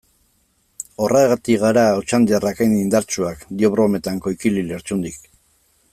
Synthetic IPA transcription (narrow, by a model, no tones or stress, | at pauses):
o̞rʔaeɣat̪iɣaɾaot͡ʃand̪iarakejnind̪aɾt͡ʃuakd̪io̞βɾo̞me̞t̪aŋko̞jkilile̞ɾt͡ʃund̪ik